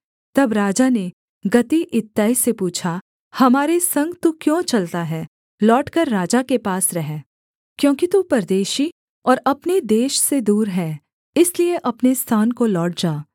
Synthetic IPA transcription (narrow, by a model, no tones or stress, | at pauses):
t̪ɐbɾaːd͡ʒane | ɡɐt̪iʔɪt̪ːaːisepuːt͡ʃʰa | hɐmaːɾesɐ̃ŋɡt̪ukjõːt͡ʃɐlt̪aɦɛː | lɔːʈkəɾːaːd͡ʒakepaːsɾɐɦɛ | kjõːkit̪upɐɾd̪eːʃi | ɔːɾɐpned̪eːʃsed̪uːɾɦɛː | ɪslieʔɐpnest̪ʰaːnkolɔːʈ̚d͡ʒaː